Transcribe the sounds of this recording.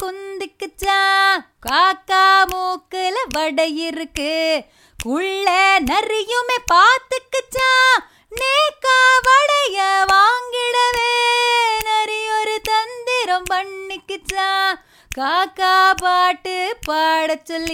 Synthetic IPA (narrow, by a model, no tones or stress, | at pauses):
kɔnd̪ɪkːɯt͡ʃːãː | kaːkːaːmoːkɯlɐʋɐɽɐjɪɾɯkːɯ | kʊɭːɐnɐɾɪjɯmeːpaːt̪ɯkːɯt͡ʃːãː | neːkːaːʋɐɽɐjɐʋaːŋɡɪɽɐʋeːnɐɾɪjɔɾɯt̪ɐnd̪ɪɾɐ̃mpɐɳːɪkːɯt͡ʃːãː | kaːkːaːpaːʈːɯpaːɽɐt͡ʃːɔlːɪ